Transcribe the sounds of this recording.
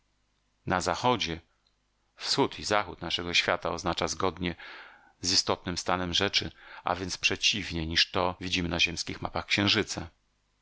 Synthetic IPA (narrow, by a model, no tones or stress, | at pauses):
nazaxɔd͡ʑɛ | fsxut̪ʰizaxut̪naʂɛɡɔɕfʲjat̪aɔznat͡ʂazɡɔd̪ɲɛ | zist̪ɔt̪̚nɘmst̪anɛmʐɛt͡ʂɘ̰ʔa̰vʲjɛntspʂɛt͡ɕivɲejɲiʂt̪ɔvʲid͡ʑimɘnaʑɛmskʲixma̰paxkɕɛ̃w̃ʐɘt̪sa